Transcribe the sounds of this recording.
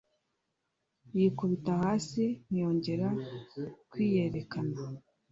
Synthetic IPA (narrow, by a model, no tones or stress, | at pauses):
jikuβitahaːsin̥ijo̞ːɲɟe̞ɾa | kwiːje̞ɾe̞kana